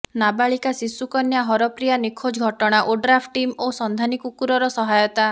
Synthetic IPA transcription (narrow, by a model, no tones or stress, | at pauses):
nabaɭikasisukɔnjaɦɔɾɔpɾijanikʰod͡ʒɡʱɔʈɔɽ̃aʔoɖɾapʰʈʈːimosɔnd̪ʱanikukuɾɔɾɔsɔɦajɔt̪a